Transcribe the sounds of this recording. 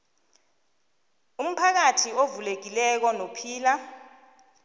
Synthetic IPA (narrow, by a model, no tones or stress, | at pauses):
um̩pʰak̬atʰiovulek̬ilɛk̬ɔnopʰiːla